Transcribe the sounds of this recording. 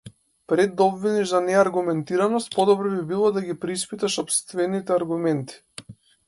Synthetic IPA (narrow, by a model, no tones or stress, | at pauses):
pɾɛd̪ːaɔbviniʒzanɛaɾɡumɛnt̪iɾanɔst̪̚pɔd̪ɔbɾɔbibilˠɔd̪aɡipɾispit̪aʃɔpst̪vɛnit̪ɛaɾɡumɛnt̪i̥